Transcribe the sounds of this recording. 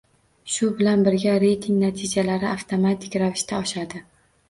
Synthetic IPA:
ʃʊbɪlanbɪɾɡʲaɾe̞jt̪ʰɪŋnat̪ʰɪd͡ʒalaɾɪaft̪ʰomat̪ʰɪ̥kʲɾavɪʃt̪ʰaɒʃad̪ɪ

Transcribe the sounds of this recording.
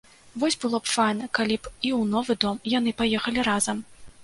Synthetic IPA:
vɔsʲbɨlˠɔpfajnɐkalʲipiwnɔvɨd̪ɔmjan̪ɨpajɛxɐlʲiɾazɐm

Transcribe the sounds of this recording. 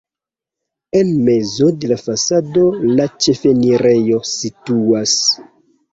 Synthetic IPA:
enme̞zo̞de̞lafasado̞lat͡ʃe̞fe̞niɾe̞jo̞situas

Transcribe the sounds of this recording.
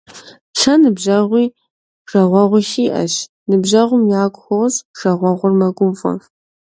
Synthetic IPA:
t͡ʃʰɐnɨbʒɐʁʷiː | ʒ̥ɐʁʷɐʁʷʊʃiːʔɐ̰ɕ | nɨbʑɐʁʷʊmjaːkʷʼxʷowzʒ̥ɐʁʷɐʁʷʊrmɐɡʷʊmfʼɐ̰

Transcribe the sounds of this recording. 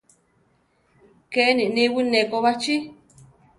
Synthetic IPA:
keʔenĩnĩwinẽkoβat͡ʃi

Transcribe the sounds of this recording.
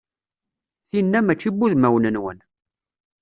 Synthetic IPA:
θinːæmæt͡ʃːibːuðmæwnənwə̰n

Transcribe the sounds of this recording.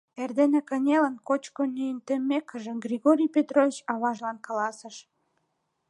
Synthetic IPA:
erd̪enĕkənʲelənkot͡ɕkonyjənt̪emːekːə̆ʒə̆ɡrʲiɣoɾʲijpet̪rovʲit͡ɕɑβɑʒlɑnkɑlɑsəʃ

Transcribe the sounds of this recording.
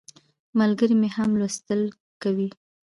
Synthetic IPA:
malɡəɾimehamlwast̪əl | kawi

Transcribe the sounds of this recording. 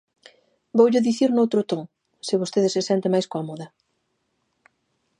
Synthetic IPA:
bowʎʊðiθiɾnowt̪ɾʊt̪oŋ | sɪβost̪eðɪsɪsjɛnt̪ɪmajskoamɔðɐ

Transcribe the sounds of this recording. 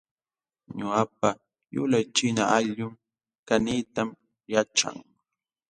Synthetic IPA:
ɲʊap̚a | jʊ̰lajt͡ʃɪnaaʎʊm | kanit̪am | jat͡ʃa̰ŋ

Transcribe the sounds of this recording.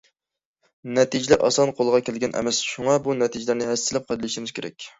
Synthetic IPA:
nɛt̪ʰid͡ʒɪlæɾʔɑ̰sɑnqʰolˠəʁɑkʲʰælɡʲɛnʔɛ̰mɛsʃuŋɑbunɛt̪ʰid͡ʒɪlæɾnɪhæst̪ɪlɪp̚qʰɑd̪ɨlˠɪʃimɪz̥kʲʰeɾɛ̰k̚ʲ

